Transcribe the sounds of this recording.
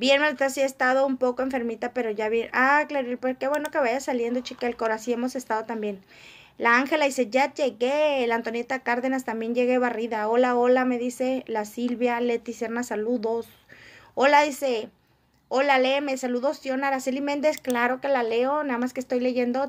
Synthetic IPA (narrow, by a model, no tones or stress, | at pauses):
bjeɾmelt̪asiaest̪að̞o̞umpo̞koeɱfe̞ɾmit̪ape̞ɾo̞ʝaβjeʔaklaɾilpoɾke̞βweno̞ke̞βaʝasalje̞nd̪o̞t͡ʃikaelkoɾasiemo̞se̞st̪að̞o̞t̪ambje̞n | laaŋxe̞laðise̞ʝaʝe̞ɣelant̪o̞njet̪akaɾðe̞nast̪ambje̞nʝe̞ɣeβariðao̞laolame̞ðise̞lasilβjale̞t̪iseɾnasaluðos | o̞laðise̞ | o̞lalemesaluðo̞sjo̞naɾasilimẽnd̪esklaɾo̞ke̞laleonaðamaskest̪o̞jleʝe̞nd̪o̞